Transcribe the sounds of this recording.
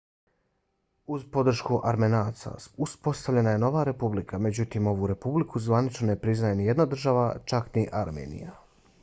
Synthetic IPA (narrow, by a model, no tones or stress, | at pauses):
uzpo̞d̪r̩ʃkuʔaɾmenaːsa̰uspo̞st̪aʋlʎe̞naje̞no̞ʋaːɾe̞publikʰame̞d͡ʑut̪iːmo̞ʋuɾe̞publikʰuzʋanit͡ʃnone̞pɾiznajenije̞d̪nad̪r̩ʒaʋat͡ʃakniʔaɾmḛːnḭja